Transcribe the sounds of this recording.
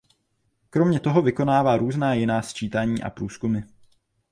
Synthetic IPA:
kɾo̞mɲɛt̪o̞ɦo̞vɪko̞naːvaːɾuːznaːjɪnaːst͡ʃiːt̪aɲiːʔa̰pɾuːskumɪ

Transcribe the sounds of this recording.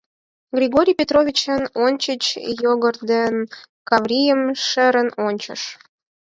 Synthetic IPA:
ɡrʲiɣoɾʲijpʲet̪rovʲit͡ɕənonʲt͡ɕət͡ɕjoɣərd̪en | kɑvrʲijəmʃə̆ɾənonʲt͡ɕə̰ʃ

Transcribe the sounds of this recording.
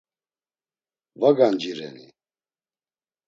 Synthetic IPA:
vaɡand͡ʒiɾɛ̰nḭ

